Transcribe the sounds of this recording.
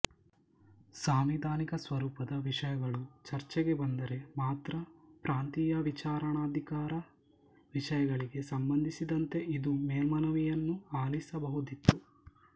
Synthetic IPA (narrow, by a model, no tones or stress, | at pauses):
saːmʋid̪ʱaːnikɐsʋɐɾuːpɐd̪ɐʋiʂɐjɐɡɐɭut͡ʃɐɾt͡ʃɛɡe̞bɐnd̪ɐɾe̞maːt̪ɾɐpɾaːnt̪ijɐʋit͡ʃaːɾɐɳaːd̪ʱikaːɾɐ | ʋiʂɐjɐɡɐɭiɡe̞sɐmbɐnd̪ʱisid̪ɐnt̪e̞ʔid̪umeːlmɐnɐʋijɐnːuaːlisɐbɐɦud̪it̪ːu